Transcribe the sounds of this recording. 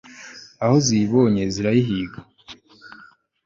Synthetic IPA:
ahoziβoɲeziɾajiɦiːɡo

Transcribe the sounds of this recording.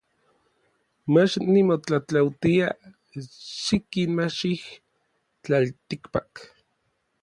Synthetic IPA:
mat͡ʃnimot͡ɬat͡ɬawt̪ia | ʃikinmaʃih | t͡ɬalt̪ikpak

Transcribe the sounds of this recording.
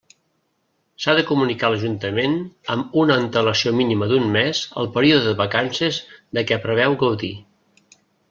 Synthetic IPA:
saðəkumunikaləʒunt̪əmenəmunəːnt̪ələsiominiməd̪unmɛzə̰lˠpəɾioðəðəβəkansezd̪əkɛpɾəβ̞ɛwɣəwði

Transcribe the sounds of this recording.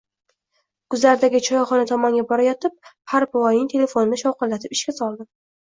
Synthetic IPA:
ɡ̥ʊzlaɾd̪aɡʲɪt͡ʃʰɒjɒχɒnat̪ʰɒmɒŋɡʲabɒɾajɒt̪ʰɪp̚haɾpʊwɒjnɪŋt̪ʰe̞le̞fo̞nɪnɪʃɒwqɨlːat̪ʰɪpɪ̥ʃkʲasɒlˠd̪ɪ

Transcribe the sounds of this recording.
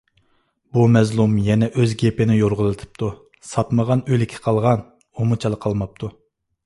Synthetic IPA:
b̥umɛzlˠumjɛnɛʔøzɡʲepɪnɪjoɾʁəlˠɨt̪ʰɨ̥p̚t̪ʰu | sɑt̪məʁɑnølɪkʲʰɛ̥qʰɑlˠʁɑn | omut͡ʃʰɑlˠəqʰːɑlˠmɑp̚t̪ʰu

